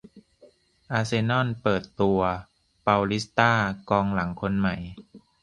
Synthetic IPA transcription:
ʔaː˧seː˧nɔ˥˩˨npɤː˨˩t̪ːu˧ɐ | pa˧wli˦˥st̪aː˥˩kɔː˧ŋla˩˦ŋkʰo˧nma˨˩j

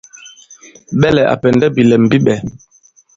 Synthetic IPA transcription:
ɓɛ˦lɛ˨ʔa̰˨pɛ˨ndɛ˦bi˨lɛ˨m̩˨bi˦ɓɛ˨

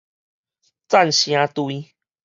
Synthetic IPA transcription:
t͡sa˥˨nɕj̃ã˧˦t̪wi˦

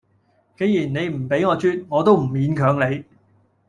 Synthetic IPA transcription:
ke˨˥jiː˨˩nne˨˧jm̩˨˩pe˨˥jŋɔː˨˧t͡ʃyː˥t̚ŋɔː˨˧t̪o˥wm̩˨˩miː˨˥nkʰœː˨˥ŋle˨˧j

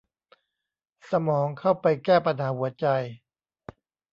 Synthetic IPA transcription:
sa˧mɔː˩˦ŋkʰa˥˩wpa˧jkɛː˥˩pa˧nhaː˩˦hu˩˦ɐt͡ɕa˧j

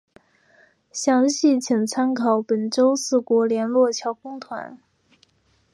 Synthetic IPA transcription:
ɕjɑ˧˥ŋɕi˥˩t͡ɕʰi˨˩ŋt͡sʰa˥nkʰɑ˨˧˩ʊpə˨˩nʈ͡ʂo˥ʊsɹ̩˥˩kwɔ˧˥ljɛ˧˥nlwɔ˥˩t͡ɕʰjɑ˧˥ʊkʊ˥ŋt̪ʰwa̰˧˥n

